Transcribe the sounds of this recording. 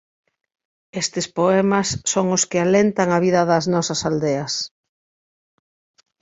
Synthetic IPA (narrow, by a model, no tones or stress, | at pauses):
est̪ɪspoɛmɐsːoŋʊskɪalent̪aŋɐβiðɐðɐznɔsɐsald̪eɐs